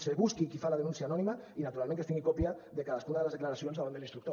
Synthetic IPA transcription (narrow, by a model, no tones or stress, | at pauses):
seβuskikifalað̞enũnsjanɔnimainat̪uɾalmẽŋkest̪iŋɡikopjaðekaðaskunaðelezðeklaɾasjonsaβand̪elinst̪ɾuk̚t̪o